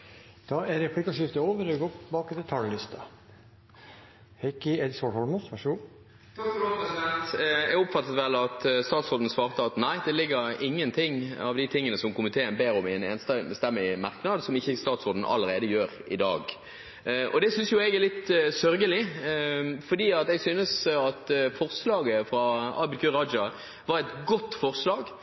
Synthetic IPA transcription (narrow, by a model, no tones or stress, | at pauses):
d̪̥ɑɛɾɛpʰlɪkɑʂɪft̪əoːʋəɾəɡoːɪbɑːkt̪ɛt̪ʰɑljlɪst̪ɑ | hɛkɪɛd̪sɔhɔlməʋæʂəɡuː | pɛsɪd̪ɛnt̪ɛɡʊpfɑt̪ːət̪ʋɛlːɑt̪st̪ɑːt̪sʁoːd̪n̩sʋɑːʁt̪əɑt̪næɪd̪ɛlɪɡːəɾɪŋːənt̪ʰɪŋːɑ̰ʋd̪ɪt̪ʰɪŋːənəsɔmkʊmɪt̪ʰeːənbeːɾɔmɪɛnḛːnst̪ɑnbəst̪ɛmːəɪmɑɾknɑd̪sɔmɪçːəst̪ɑːt̪sʁoːd̪n̩ʔɑ̰lːəɾeːd̪əjøːɾɪd̪ɑ̰ːɡ | ʔɔ̰d̪ɛsʏnsjʊɛɡɛɾlɪt̪sœɾɡəlɪ | fɔd̪iːɑt̪ɛɡsyːnəsɑt̪fɔʁslɑːɡəfɾɑɑbəlkʰʉʁɑd͡ʒɑ | ʋɑɾʁɛt̪ɡɔt̪ːfɔɾslɑːɡ